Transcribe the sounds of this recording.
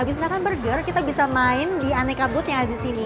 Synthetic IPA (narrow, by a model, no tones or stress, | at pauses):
abɪsɲakanbərd͡ʒərkit̪abisamaɪndianɛkabʊt̪jaŋaldisini